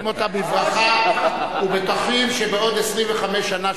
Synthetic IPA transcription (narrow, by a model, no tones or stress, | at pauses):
mo̞t̪abivʁaχa | ubet̪aχimʃebeo̞d̪esʁimveχamesʃːana